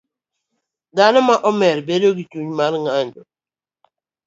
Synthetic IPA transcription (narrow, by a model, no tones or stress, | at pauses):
danɔmaʔɔmɛɾbedoɡit͡ʃuɲmaɾŋaɲd͡ʒɔ